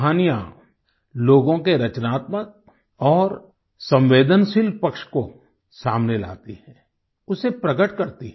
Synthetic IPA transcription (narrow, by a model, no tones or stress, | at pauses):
ɦaːnija | loːɡõkeɾɐt͡ʃnaːt̪mək̚ | ɔːɾ | sɐ̃mʋeːd̪ənʃɪlpɐkʃko | saːmnela̰ːt̪iɦɛ̃ː | ʊsepɾɐɡəʈkɐɾt̪i